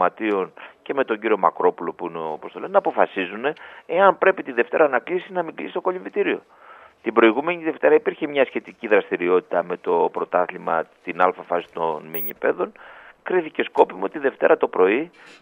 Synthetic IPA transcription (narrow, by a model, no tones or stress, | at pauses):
mɐt̪io̞nce̞me̞t̪o̞ɲɟiɾio̞mɐkɾo̞pulo̞puineopo̞st̪o̞lennɐːpo̞fɐsizune̞eɐnpɾe̞pit̪iðe̞ft̪e̞ɾɐnɐklisiznɐmiɡlḭsi̥t̪o̞ko̞ʎiɱvit̪iɾio̞ | t̪ibɾo̞iɣume̞ɲiðe̞ft̪e̞ɾɐipiɾçemɲɐsçe̞t̪iciðɾɐst̪iɾio̞t̪i̥t̪ɐme̞t̪o̞pɾo̞t̪ɐθlimɐ̰t̪inɐlfɐfɐsi̥t̪o̞nmeɲipe̞ðo̞nkɾiθice̞sko̞pimuo̞t̪iiðe̞ft̪e̞ɾɐt̪o̞pɾo̞i